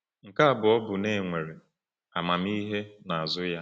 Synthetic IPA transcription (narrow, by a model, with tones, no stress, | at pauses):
ŋ̩˨ka˦a˦˨bʊ˨ɔ˦bʊ˨ne˨ŋʷe˨ɾe˨ | a˨ma˨mi˦ɦe˦na˨a˨zʊ˦ja˦